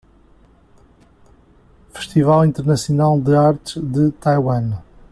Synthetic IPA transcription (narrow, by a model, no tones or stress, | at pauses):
fɨ̥ʃt̪ivalˠĩnt̪ɨɾnɐsjunalˠd̪ɨaɾt̪ʒ̥ðɨt̪ajwɐ̃n